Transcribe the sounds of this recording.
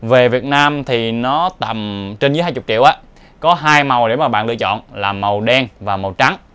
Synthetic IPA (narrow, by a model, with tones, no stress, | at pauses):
ve˨˩vi˨˩ət̚naː˧mt̪ʰi˨˩nɔ˨˦t̪a˨˩mt͡ɕe˧nzɨ˨˦jɦaː˧jt͡ɕʊ˨˩k͡p̚t͡ɕḭ˧˨wʔaː˨˦ | kɔ˨˦ɦaː˧jma˨˩wɗe˧˩maː˨˩ɓa̰ː˧˨nlɨ̰˧˨ət͡ɕɔ̰˧˨nlaː˨˩mə˨˩wɗɛ˧ŋvaː˨˩ma˨˩wt͡ɕa˨˦ŋ